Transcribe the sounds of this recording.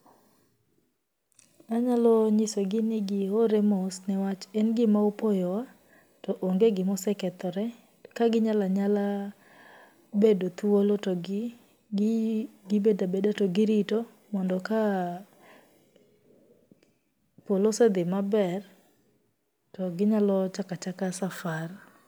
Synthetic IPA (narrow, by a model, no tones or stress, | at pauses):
aɲalɔɲɪsoɡɪnɪɡɪoɾɛmosnɛwat͡ʃɛnɡɪmaopojɔwa | tɔʔoŋɡeɡɪmɔsɛkɛt̪ɔɾɛ | kaɡɪɲalaɲala | bedot̪uolotɔɡɪ | ɡɪbedabedatɔɡɪɾito | mɔndɔka | polosɛd̪ɪmabɛr | tɔɡɪɲalɔt͡ʃakat͡ʃakasafar